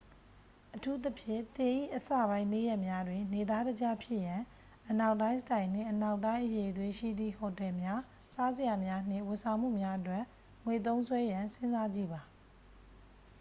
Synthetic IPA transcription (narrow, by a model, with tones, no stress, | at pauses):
ʔətʰu˦t̪̬əpʰjɪ̰̃˦˨t̪ɪ̃˨ʔḭ˦˨ʔəsä̰˦˨bã˦ɪ̃ne˦˨jɛ˦ʔmja˦dwɪ̃˨ne˨d̪a˦dəd͡ʑa˦˨pʰjɪ˦ʔjã˨ | ʔəna˦ʊʔtːã˦ɪ̃sə̥tã˨ɪ̃n̥ɪ̰̃˦˨ʔəna˦ʊʔtːã˦ɪ̃ʔəje˨dwɪ̃˨ʃḭ˦˨d̪ðḭ˦˨hɔ˨tɛ˨mja˦ | sa˦zəja˨mja˦n̥ɪ̰̃˦˨wʊ̃˨sʰã˨ʊ̃m̥ṵ˦˨mja˦ʔətwɛ˦˨ʔ | ŋwe˨t̪õ˦ʊ̃swɛ˦jã˨nsɪ̃˦nza˦d͡ʑḭ˦˨ba˨